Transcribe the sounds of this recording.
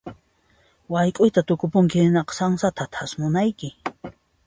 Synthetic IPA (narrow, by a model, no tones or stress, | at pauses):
wajkʼʊjt̪at̪ʊkʊpʊŋkɪɪnɑqɑ̥saŋsat̪ʰat̪ʰasmʊnajkɪ